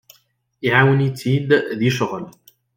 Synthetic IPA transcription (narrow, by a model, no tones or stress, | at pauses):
ʔiʕaːwnit̪ʰid̪ðiʃʊɣl